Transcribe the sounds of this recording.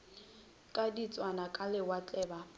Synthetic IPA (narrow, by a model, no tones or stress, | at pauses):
kʼadit͡sʼwanakʼalɪwat͡ɬʼɛːba